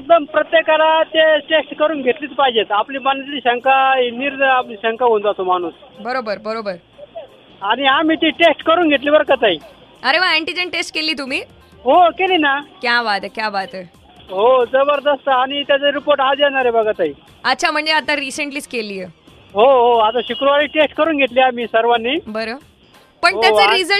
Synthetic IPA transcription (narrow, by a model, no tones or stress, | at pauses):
ek̚d̪əmpɾət̪jekaɾat̪eʈesʈkəɾuːnɡʱet̪liːt͡spaɦid͡ʑet̪apliːbanːet̪ɾiːɕəŋkainiːɾəapliɕə̃ŋkaɡond͡zat̪om̤aɽ̃uːsbəɾobəɾbəɾobəɾ | añiɦamiːt̪iʈesʈkəɾuːnɡʱet̪̬liːbəɾkət̪aɦi | əɾeʋaæɳʈid͡ʑənʈesʈ̚keliːt̪um̤iː | ɦokeliːnakjaʋat̪əkjaʋat̪ə | ɦod͡zəbəɾd̪əst̪əañit̪jat͡səɾipoɾʈad͡zjenaɾebəɡət̪aɦi | ət̪ːt͡ɕʰam̤əɳd͡zeat̪ãɾisəɳʈliːt͡skeliːje | ɦoɦoat̪aɕukɾuʋaɾiːʈesʈkəɾuːnɡʱeʈ̪liːamiːsəɾʋanːibəɾə | pəɳtɦ̪jat͡səɾizə